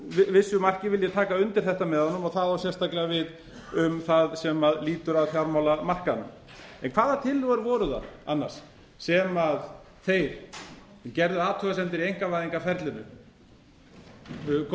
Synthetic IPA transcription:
vɪsːʏmar̥cɪvɪljɛt̪ʰaːkaʏnt̪ɪɾ̥θɛht̪amɛðhɔnːʏmɔɣθaðvaɾsjɛst̪aklɛɣavɪð | ʏmθaðsɛmaðliːt̪ʏɾaðθjawɾmawlamar̥kanʏ̰m | ɛnkʰv̥aːðat̪ʰɪlːuɣaɾvɔːɾʏða̰ða̰nːa̰r̥s | sɛmað | θejɾ̥ | cɛɾðʏaːt̪ʰœɣasɛnt̪ɪɾiejŋkavajðiŋkafɛɾt̪lɪnʏ̰ | k

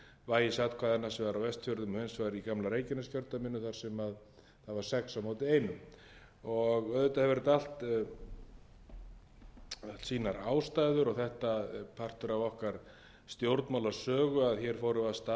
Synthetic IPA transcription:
vaːjɪsat̪kʰvaːðɛnːasɛvaɾawvɛst̪fʏɾðʏmhʏnsvajɾikamlaɾeːjcɪnascjœɾt̪amɪnːʏθaɾ̥sɛmað | θaðvaɾ̥sɛksawmoːwt̪ɪeːjnʏm | ɔɣœðʏt̪ahɛvɛɾɪt̪al̥t̪ | alt̪siːnaɾaːwst̪aːjðʏɾɔɣθɛht̪apʰar̥t̪ʏɾavɔhkaɾ̥ | st̪jowɾt̪nmawlḁsœːɣʏaðçjɛɾ̥fowɾʏvaðst̪a

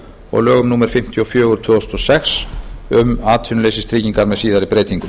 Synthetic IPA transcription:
ɔ̰ɣlœːɣʏmnuːmɛɾ̥fɪm̥t̪ʰjɔfjœːɣʏɾt̪ʰvœːɔst̪ɔsɛksʏmaːt̪ʰiːnleːjsɪst̪ɾiːciŋkaɾmɛðsiːðaɾipɾeːjt̪iŋkʏ

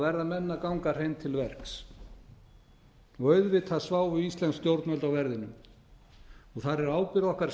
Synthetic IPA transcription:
vɛɾðamɛnːakawŋkaɾ̥ejmt̪ʰɪlvɛrks | ɔɣœɥðvɪt̪θaðsvaːwvʏist̪lɛnst̪jowɾt̪nœlt̪awvɛɾðɪnːʏm | ɔɣθaɾɛɾaːwpɪɾɔhkaɾ̥

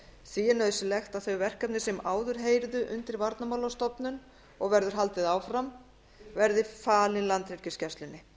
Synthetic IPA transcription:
siːɪnœːðʏsɪlɛxt̪aðθœɥvɛr̥kap̚nɪsɛmaːwðʏɾ̥ɦeːjɾðʏʔʏnt̪ɪɾvaɾt̪namawlawst̪ɔpnʏn | ɔɣvɛɾðʏɾɦalt̪ɪðaːwfɾam | vɛɾðɪfaːlɪnlant̪ɾɛɾ̥cɪscɛst̪lɪnːɪ

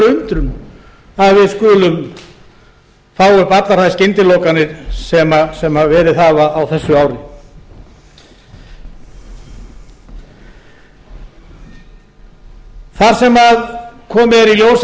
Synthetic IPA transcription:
ʏnt̪ɾʏm | aðvɪðskʏːlʏm | faːwʏhpat̪laɾ̥ajscɪnt̪ɪloːwkanɪɾ̥sɛmasɛmhaðvɛːɾɪðaːvaːwθɛsːʏaːwɾɪ | θaɾ̥sɛmaðkʰɔːmɪɛɾiljoːws

